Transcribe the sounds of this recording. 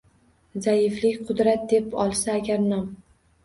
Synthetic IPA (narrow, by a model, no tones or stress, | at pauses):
zajɪflɪkʲqʰʊd̪ɾat̪̚d̪epɒlˠsaːɡʲaɾnɒm